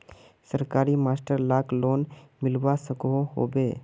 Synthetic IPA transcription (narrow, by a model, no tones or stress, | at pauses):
səɾkaːɾimaːsʈəɾlaːkloːnmɪlbasəkɦoɦo̰ːbeː